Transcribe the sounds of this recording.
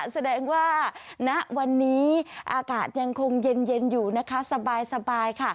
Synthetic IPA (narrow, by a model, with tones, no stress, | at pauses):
sa˧dɛː˧ŋwaː˥˩na˦˥ʔwa˧nːiː˦˥ʔaː˧kaː˨˩t̪̚ja˧ŋkʰo˧ŋje˧nje˧njuː˨˩na˦˥kʰa˦˥sa˧baː˧jsa˧baː˧jkʰa˥˩